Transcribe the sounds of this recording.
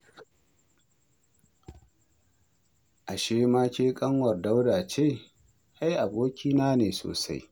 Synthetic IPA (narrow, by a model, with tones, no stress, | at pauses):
ʔa˨ʃeː˦ma˦kʲeː˦kʼɐ˦ŋwɐ˨rda˦wdaː˨t͡ʃeː˦˨ | ʔa˦jʔa˨boː˦kʲiː˦naː˦neː˨so̰ː˨sa̰˦j